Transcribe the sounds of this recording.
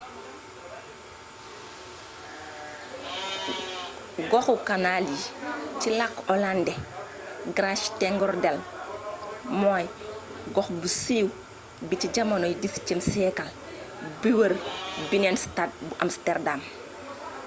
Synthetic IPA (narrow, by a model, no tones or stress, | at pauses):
ɡɔxukanalit͡ʃilakːɔlandɛ | ɡɾaʃtɛŋɡɔɾdɛl | mɔj | ɡɔxbusiːw | bit͡ʃiɟamanɔjdist͡ʃəmsɛkal | biwəɾbinenstat̚buʔamstɛɾdam